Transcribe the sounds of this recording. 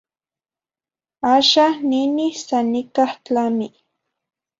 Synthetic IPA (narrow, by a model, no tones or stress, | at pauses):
aʃanɪnɪsanɪkaχt͡ɬamɪ